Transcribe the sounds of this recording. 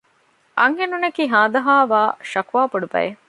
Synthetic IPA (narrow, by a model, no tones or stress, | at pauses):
ʔɐŋɦenunɐkiːɦaːd̪ɐɦaːʋaːʃɐkuʋaːpoɖubɐ̰je